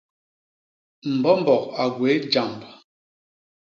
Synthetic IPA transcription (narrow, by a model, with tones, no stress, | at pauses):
m̩˨bɔ˦m˦bɔ˨k̚a˨ɡwe˨˦d͡ʒa˨mb